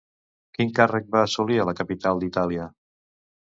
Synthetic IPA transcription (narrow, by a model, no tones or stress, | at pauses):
kiŋkarək̚baːsuliələkəpit̪alˠd̪it̪aliə